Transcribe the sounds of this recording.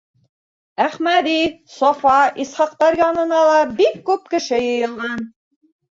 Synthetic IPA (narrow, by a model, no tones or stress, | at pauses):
æχmæd̪isɒfɑishɑq̚t̪ɑɾjɑnɤ̆nɑlˠɑbikːʉp̚kɘ̆ʃɘjɤ̆jɤ̆lˠʁɑn